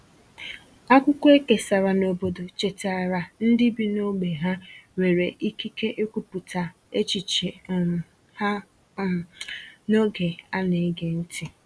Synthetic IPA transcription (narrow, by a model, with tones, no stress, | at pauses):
a˦kʷʊ˦kʷe˦ke˨sa˨ɾa˨no˨bo˦do˨t͡ʃe˨ta˨ɾa˨n̩˦dɪ˦bi˦no˦ɡ͡be˨ɦa˦ŋʷe˨ɾe˨ʔi˦ki˦ke˦ʔe˦kʷu˨pʊ˨ta˨ | e˦t͡ʃi˨t͡ʃe˨ | ha˦ | no˦ɡe˨a˦ne˨˦ɡe˨n̩˦tʰɪ˦˨